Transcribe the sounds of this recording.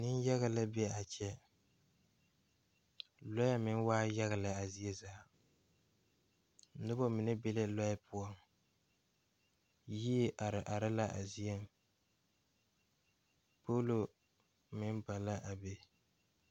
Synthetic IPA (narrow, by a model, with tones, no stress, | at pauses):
nɪ˦n˦jɛ˦ɣa˨la˦bɛ˦a˨t͡ʃɛ˦ | lɔ˦ja˦mɪ˦n˦waː˦jɛ˦ɣa˨la˨a˨zi˦e˦zaː˨˦ | nʊ˦bɔ˦mɪ˨nɨ˦be˦lɪ˦lɔ˦ja˦pʰʊ˦ɔ˦ŋ | ji˦˨ʔa˨ɾɪ˦la˦ʔa̰˨zi˦e˦m | po˦lo˨ | mɪ˦nba˨la˦ʔa˨be˦